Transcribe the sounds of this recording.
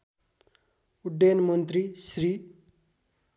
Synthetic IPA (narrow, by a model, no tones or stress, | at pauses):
uɖːenmʌnt̪risɾi